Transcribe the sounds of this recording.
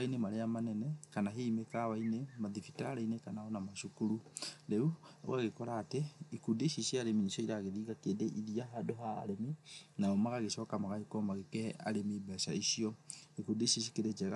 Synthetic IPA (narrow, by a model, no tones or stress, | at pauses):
ainemaɾeamanɛnɛkanaɦeimekawainemaðifitaːɾainekanaɔnamaʃukuɾuɾɛṵɣaɣekɔɾaːteikudeiʃiʃiaɾemineʃɔiɾaɣeɾiːɣakedeʔiðiaɦadoɦa̰ːɾeminaɔmaɣaɣesɔːkamaɣahekɔmaɣekɛa̰ɾemibɛsaisiɔikuːdeiʃisi̥keɾed͡ʒɛɾa